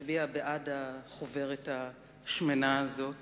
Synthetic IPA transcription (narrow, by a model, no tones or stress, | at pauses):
biabeʔadaχove̞ʁetha | ʃmenaːzo̞